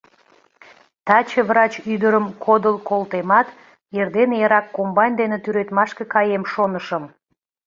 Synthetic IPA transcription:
t̪ɑt͡ɕəβrɑt͡ɕyd̪əɾəmkʰod̪əlˠkolt̪emɑt̪ | erd̪enjɑɾɑkːombɑjnʲd̪enet̪yɾet̪mɑʃkekɑjemʃonəʃəm

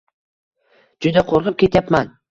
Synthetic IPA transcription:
d͡ʒʊd̪aqʰoɾʁɨp̚kʲʰe̞t̪japman

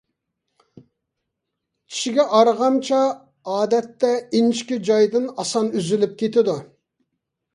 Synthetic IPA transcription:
kʲʰi̥ʃiɡʲɛʔɑɾʁɑnt͡ʃʰɑ | ɑːd̪ɛt̪ːɛinʃkʲid͡ʒɑjd̪ɨnɑsɑnyzylyp̚kʲʰet̪ɪd̪u

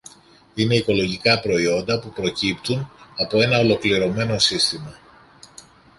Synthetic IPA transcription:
ine̞iko̞lo̞ʝikɐpɾo̞io̞nd̪ɐpupɾo̞cipt̪unɐpo̞e̞nɐo̞lo̞kliɾo̞me̞no̞sist̪imɐ

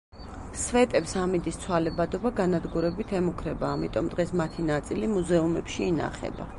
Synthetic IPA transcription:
svɛt̪ʼɛpsamid̪ist̪sʰwalɛbad̪ɔbaɡanad̪ɡuɾɛbit̪ʰɛmukʰɾɛbaːmit̪ʼɔmd̪ʁɛsmat̪ʰinat̪sʼilimuzɛumɛpʃiːna̰χɛ̰ba̰

